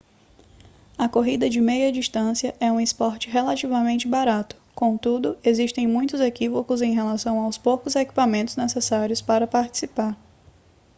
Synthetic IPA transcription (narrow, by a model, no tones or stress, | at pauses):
ɐkoɦid̪ɐd͡ʒɪmejɐd͡ʒist̪ɐ̃siɐʔɛũɪspɔɾt͡ʃɪɦelat͡ʃivɐmẽnt͡ʃɪbaɾat̪ʊ̥kõt̪ud̪ʊeziʃt̪ẽj̃mũj̃t̪ʊzekivokʊzẽj̃ɦelasɐ̃w̃awspowkʊzeki̥pamẽnt̪ʊznesesaɾiʊspaɾɐpaɾt͡ʃi̥sipaɾ